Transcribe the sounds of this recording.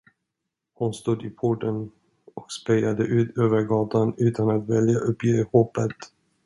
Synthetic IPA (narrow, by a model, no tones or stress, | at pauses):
hʊnst̪uːd̪ɪpʰɔʈən | ɔkspɛjad̪əʔʉ̟ːt̪ʰøːvəɾɡɑːt̪anʉ̟ːt̪anat̪vɛljaʔɵpjeːɾhɔpːət̪